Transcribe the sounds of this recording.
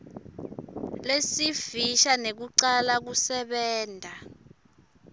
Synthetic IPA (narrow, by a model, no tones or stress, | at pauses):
lesiviʃanek̬uǀalak̬usɛɓɛːndʱa